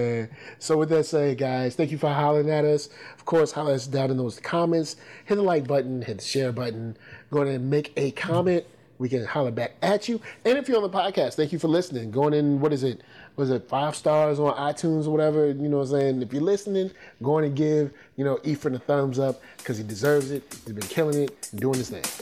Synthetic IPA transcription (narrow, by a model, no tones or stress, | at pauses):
æsoʊwɨðɨtseɪɡaɪz̥θæ̃ŋkjɨfə˞ɦɑlˠɪ̃ŋɨɾʌsʌv̥kʰɔɹshalˠəʌsdãʊ̃nɨ̃nðoʊz̥kʰɑmɛ̃ntshɪðəlaɪk̚b̥ʌʔn̩hɨdʃɛɹbʌʔn̩ɡ̥oʊɪ̃ŋ̃meɪkɨkʰɑmɛ̃ntʔ̚ | wikɨ̃nhɑlˠəbæk̚ɨt͡ʃɨɨ̃nɨfjə˞ə̃nðəpʰɑd̚kʰæstθæ̃ŋkjɨfə˞lɪsnɪ̃ŋɡoʊɪ̃ŋɨ̃nwʌɾɨzɪt̚wʌɾɨzɨtfaɪv̥stɑɹzn̩aɪtʰũnzə˞wʌɾɛvə˞jɨnoʊseɪɪ̃nɨfjə˞lɪsnɪ̃ŋɡ̥oʊɪ̃ŋtʰɨɡɪv̥ | jɨnoʊʔifɹɨ̃nθʌ̃˞mzʌp̚ | kʰʌz̥idɨzɜ˞vzɪt̚hizbɨ̃nkʰɪlˠɪ̃ŋɪɾn̩duɪ̃ŋðɪsθɪ̰̃ŋ